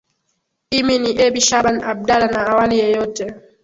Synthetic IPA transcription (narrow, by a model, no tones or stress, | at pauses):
iminiʔebiʃabanab̚dalanaawalijɛjotɛ